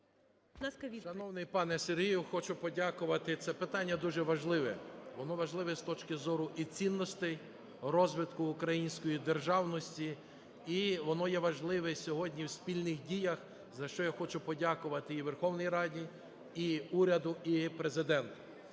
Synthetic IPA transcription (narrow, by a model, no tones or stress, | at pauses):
naskɐʋʲiʃɐnɔwnɪjpɑnɛserɦijʊxɔt͡ʃʊpɔdʲakʊʋɐt̪ɪt̪sɛpɪt̪ɑnʲːɐd̪uʒɛʋɐʒlˠɪʋɛʋɔnɔʋɐʒlˠɪʋɛst̪ɔt͡ʃkɪzɔɾʊʔit͡sʲinːɔst̪ɪj | rɔzʋɪt̪kʊːkɾɐjinʲsʲkɔjid̪erʒɑwnɔsʲtʲi | iʋɔnɔjɛʋɐʒlˠɪʋɛsʲɔɦɔdʲnʲiwsʲpʲilʲnɪxdʲijɐx | zɐʃt͡ʃɔjaxɔt͡ʃʊpɔdʲakʊʋɐt̪ɪiʋerxɔwnijɾɑdʲi | iuɾʲɐd̪ʊipɾezɪd̪ɛnt̪ʊ̥